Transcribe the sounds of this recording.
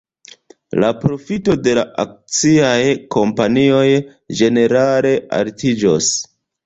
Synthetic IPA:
lapɾo̞fito̞de̞laʔak̚t͡siajkʰo̞mpanio̞j | d͡ʒe̞ne̞ɾale̞ʔa̰ltid͡ʒo̰s

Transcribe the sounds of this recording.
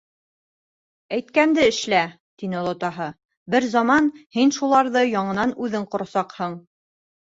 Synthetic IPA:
æjt̪̚kænd̪ɘɘ̆ʃlæ | t̪inɘlˠŏt̪ɑɦɤ | bɘɾzɑmɑnhinʃulˠɑɾðɤjɑɴɤ̆nɑnʉðɘɴqŏɾɑ̆sɑqhɤɴ

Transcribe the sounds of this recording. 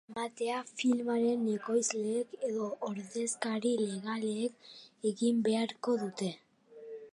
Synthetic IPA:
mat̪e̞afilmaɾe̞neko̞jzleːke̞ðo̞ʔːɾðe̞skaɾile̞ɣaleːkeɣimbe̞aɾko̞ðut̪e̞

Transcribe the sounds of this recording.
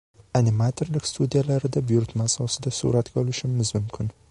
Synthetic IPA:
anɪmat̪ʰoɾlɪkʲst̪ud̪ijalaɾɪd̪abʊjʊɾt̪maːsɒsɪd̪asṵɾat̪ɡʲaɒlɪʃɪmɪzmʊmkʲʰɪn

